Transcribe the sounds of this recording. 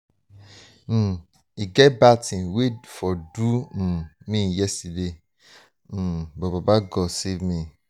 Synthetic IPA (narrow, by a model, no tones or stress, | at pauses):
m̩ | iɡɛbatĩwedfɔdũ | mĩjɛstidẽ | bɔbabaɡɔsimĩ